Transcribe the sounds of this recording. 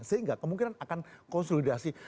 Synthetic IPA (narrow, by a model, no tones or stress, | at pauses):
səɦiŋɡakəmuŋk̬inanakankɔnsolidasi